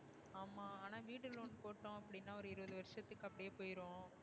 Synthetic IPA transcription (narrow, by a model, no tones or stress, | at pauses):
aːmːaːaːnaːʋiːʈːɯloːnpoːʈːõɐpːɐɽɪnːaːɔɾɯɪɾɯʋɐðɯʋɐɾɪʂɐt̪ːɯkːɐpːɐɽɪjeːpoːjɪɾõː